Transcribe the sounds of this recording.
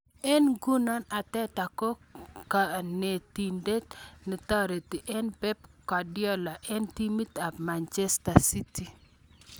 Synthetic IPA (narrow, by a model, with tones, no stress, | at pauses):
ɛ˦nɡu˦nɔ˦na˨tɛ˦ta˨ko˦ka˨ne˨ti˨nde˦tnɪ˨tɔ˦ɾe˨ti˨ʔe˦npɛ˦pkɔ˨djɔ˦la˨ʔɛ˦nti˦mi˦ta˨pma˨nt͡ʃe˦sta˨si˦ti˨